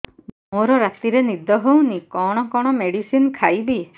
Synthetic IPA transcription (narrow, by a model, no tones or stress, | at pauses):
moɾɔɾat̪iɾenid̪ʱɔɦownikɔɽ̃ɔkɔɽ̃ɔmeɽisinkʰajbi